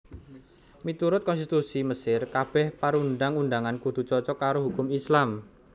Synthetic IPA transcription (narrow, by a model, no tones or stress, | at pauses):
mit̪uɾʊt̪̚kɔnst̪it̪usiməsɪrkab̥ɛhpaɾunɖaŋunɖaŋankud̪̥ṳt͡ʃɔt͡ʃɔkaɾoɦukʊmislam